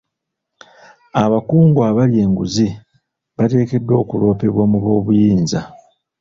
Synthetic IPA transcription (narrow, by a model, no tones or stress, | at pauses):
aβakuːŋɡwaβalje̞ːŋɡuzi | βate̞ːke̞dːo̞ːkulo̞ːpe̞βwamuβo̞ːβujiːnza